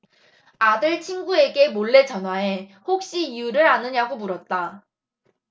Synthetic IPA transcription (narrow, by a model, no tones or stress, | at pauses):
adɯɭt͡ɕʰinɡue̞ɡe̞moɭːe̞t͡ɕʌnɦwae̞hok̚ɕ͈iijuɾɯɾanɯɲaɡomuɾʌt̚t͈a